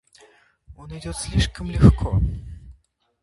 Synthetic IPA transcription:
onɪdʲot̪sʲlʲiʂkəmlʲɪxkʰɔ

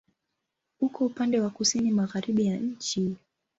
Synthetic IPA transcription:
ukɔupandɛwakusinimaɣaɾiɓijaɲ̩t͡ʃi

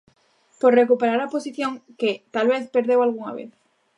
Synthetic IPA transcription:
poɾrekupeɾaɾaposiθjõŋket̪alβeθpeɾðewalɣuŋa̰βḛθ

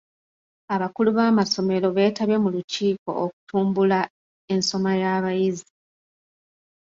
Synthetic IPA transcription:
aβakuluβaːmaso̞me̞lo̞βe̞ːtaβje̞muluciːko̞̰ʔːku̥tuːmbula | e̞nso̞majaːβajizi

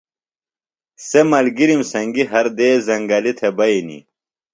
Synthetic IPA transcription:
semɐlɡiɾimsɐŋɡiɦɐɾd̪eːzɐŋɡɐlit̪ʰebɐinḭ

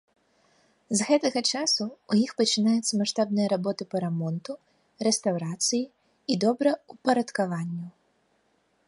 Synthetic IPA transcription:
zɣɛt̪ɐɣɐt͡ʃasʊːjixpɐt͡ʃɪnajʊt̪sːɐmaʂt̪abnɨjɐɾabɔt̪ɨpɐɾamɔnt̪u | rɛst̪awɾat̪sɨji | id̪ɔbɾɐupɐɾɐt̪kaʋanʲːu

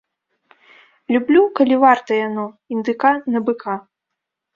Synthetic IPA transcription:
lʲublʲukɐlʲivart̪ɐjanɔ | ind̪ɨkanɐbɨkʰa

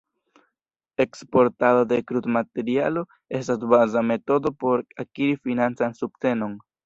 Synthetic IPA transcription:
e̞kspo̞ɾtadodekɾutmate̞ɾialo̞ | e̞stasbazame̞to̞do̞po̞ɾakiɾifinant͡sansup̚t͡se̞no̞n

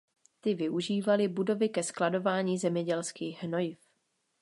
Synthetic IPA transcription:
t̪ɪvɪʔuʒiːvalɪbudo̞vɪkɛsklado̞vaːɲiːzɛmɲɛɟɛlskiːɣɦnojɪf

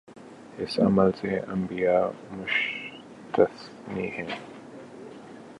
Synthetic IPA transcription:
ɪsɐ̰məlseɐ̰̃mbijaːmʊʃ | t̪əs | nihɛ̃ː

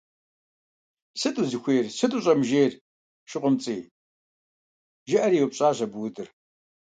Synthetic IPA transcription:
sɨtʼuzɨxʷeːrsɨtʼuɕʼɐmʒeːr | ʃɪqʷʊmt͡sʼiː | ʒɐʔɐɾiːwpɕʼaːɕɐbwdɨr

